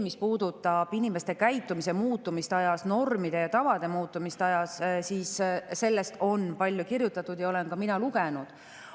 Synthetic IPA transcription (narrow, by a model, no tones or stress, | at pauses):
mispuːd̪ut̪ːˑɑb̥inime̞st̪e̞kæjt̪ːˑumise̞muːt̪ːˑumist̪ɑjɑsno̞rmid̪̥e̞jɑt̪ɑvɑd̪̥e̞muːt̪ˑːumist̪eɑjɑssiːsse̞lːe̞st̪o̞npɑlʲːjukirjut̪ːˑɑt̪ːˑud̪̥jɑo̞le̞nkɑminɑluɡ̥e̞nud̪̥